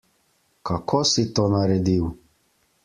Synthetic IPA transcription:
kakʰɔsit̪onaɾɛd̪iw

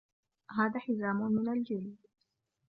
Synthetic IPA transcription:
ɦaːðaːħɪzaːmʊmɪnald͡ʒɪlː

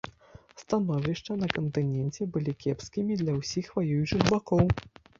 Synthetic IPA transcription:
st̪anɔvʲiʂt͡ʂɐn̪ɐkɐnt̪ɨnʲɛnt͡sʲɛbɨlʲikʲɛpskʲimʲid̪lʲɐwsʲixvajujut͡ʂɨɣbakɔw

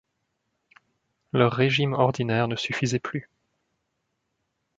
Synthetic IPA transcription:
lœʁːeʒimɔʁd̪inɛːʁnəsyfizɛply

